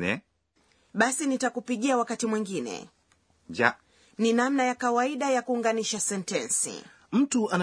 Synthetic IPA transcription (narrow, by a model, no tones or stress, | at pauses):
ɛ | ɓasinitakupiɠiawakatimwiŋɡinɛ̰ | d͡ʒa | ninamnajakawaiɗajakuːŋɡaniʃasɛntɛnsḭ | m̩tuʔan